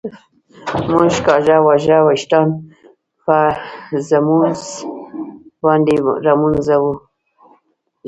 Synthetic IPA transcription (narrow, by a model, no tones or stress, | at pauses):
muʒkɑʒawaʒawaʃʈɑn | pazamunz | band̪iɾamunzawu